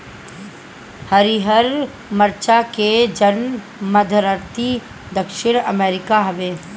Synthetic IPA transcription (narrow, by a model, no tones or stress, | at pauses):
hɐɾiɦəɾ | məɾt͡ʃaked͡ʒən | mɐd̪ʱəɾəɾt̪i | d̪ɐkʃɪɽ̃ɐmeːɾɪkaɦɐʋeː